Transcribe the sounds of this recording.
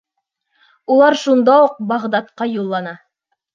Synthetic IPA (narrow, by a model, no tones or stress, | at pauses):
ulˠɑɾʃund̪ɑuq̚bɑʁd̪ɑt̪qɑjulˠːɑnɑ